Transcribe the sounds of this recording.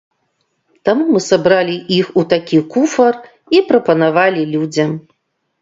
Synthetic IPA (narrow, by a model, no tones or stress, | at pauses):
t̪amumɨsabɾalʲiʔixut̪akʲikufɐr | ipɾɐpɐnavalʲilʲud͡zʲɐm